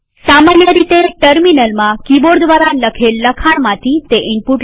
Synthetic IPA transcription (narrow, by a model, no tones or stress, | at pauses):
samanjəɾit̪eʈəɾminəlmãkiboɾd̪ʋaɾaləkʰelːəkʰaɳmãt̪ʰit̪eʔɪmpuʈ